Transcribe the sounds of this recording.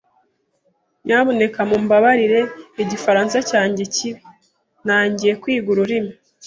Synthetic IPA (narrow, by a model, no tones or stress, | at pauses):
ɲaβo̞ne̞kamumbaβaɾiɾe̞iɟifaɾaːnsacaːɲɟe̞ciβi | naːɲɟije̞kwiːɡuɾuɾimi